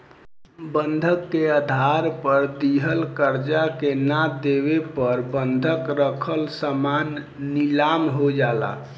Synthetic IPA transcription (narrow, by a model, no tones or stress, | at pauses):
bənd̪ʱəkːeəd̪ʱaɾpəɾd̪iɦəlkəɾd͡ʒakenad̪eβepəɾbənd̪ʱəkɾəkʰəlsəmanː | ilamɦod͡ʒala̰